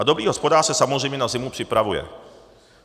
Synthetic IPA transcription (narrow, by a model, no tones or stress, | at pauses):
ad̪obɾiːɦospodaːrsɛsamozrɛjmɲɛnazɪmupr̥ɪpɾavujɛ̰